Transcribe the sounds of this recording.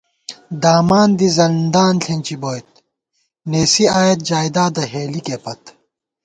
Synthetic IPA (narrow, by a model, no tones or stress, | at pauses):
d̪aːmaːnd̪izɐld̪aːnɬʰenʲt͡ɕiboːjt̪̚ | neːsiaːjɐt̪̚d͡ʑaːjd̪aːd̪ɐɦeːlikepɐt̪